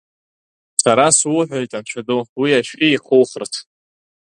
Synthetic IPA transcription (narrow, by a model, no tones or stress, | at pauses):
saɾaswʊħʷᶣajtʼant͡ɕʷʰadowiaʃʼiiχowχərtʰ